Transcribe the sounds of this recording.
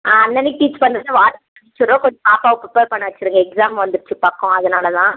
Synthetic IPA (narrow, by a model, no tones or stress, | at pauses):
aːɐnːɐnɪk̚ʈiːt͡ʃpɐndɾnːɯʋaːʈː | ʈːɪt͡ʃːɯɾõːkɔnd͡ʒpaːpaːʋɐpɾɐpeːɾpɐɳːɐʋɐt͡ʃːɪɾɯŋɡɐɛksaːmʋɐnd̪ɯɾɯt͡ʃːɯpɐkːɔ̃ɐðɐnaːlɐt̪ãː